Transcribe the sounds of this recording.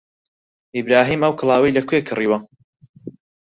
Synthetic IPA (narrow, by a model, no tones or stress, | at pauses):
ibɾaːɦiːmɐwkʰlˠaːwɐjlɐkʰʷeːkʰɨriːwɐ